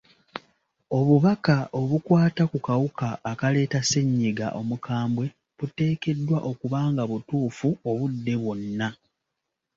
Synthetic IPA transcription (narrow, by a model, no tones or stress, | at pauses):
o̞βuβakaʔo̞βukwaːtakukawukaːkale̞ːtase̞ɲːiɡa̰ʔo̞mukʰaːmbwe̞ | βute̞ːke̞dːwaʔo̞kuβaːŋɡaβutuːfuo̞βudːe̞βwo̞nːa